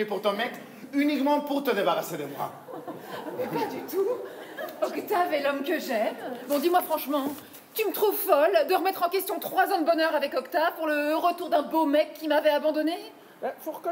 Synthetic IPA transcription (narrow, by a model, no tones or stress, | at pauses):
epuʁt̪ɔ̃mɛk | ynikmɑ̃puʁt̪əd̪ebaʁased̪əmwa̰ | mɛpad̪yt̪u | ɔkt̪avɛlɔmkəʒɛmbɔ̃d̪imwafχɑ̃ʃmɑ̃ | t̪ymət̪χuvfɔld̪əʁəmɛt̪χɑ̃kʲɛst̪jɔ̃t̪χwazɑ̃d̪əbɔnœʁavɛkɔkt̪avpuʁləʁət̪uʁd̪ɛ̃bomɛkʰʲːimavɛabɑ̃d̪ɔne | bafuʁk